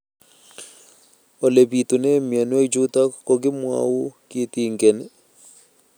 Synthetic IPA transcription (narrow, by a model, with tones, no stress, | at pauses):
o˨le˨bi˨t̪u˨ne˦mja˨n˦o˦i˦d͡ʒu˦ta˦ko˦ɡɪ˦mwa̰˦u˦ki˦t̪i˦ŋɡɛ˨nɛ˨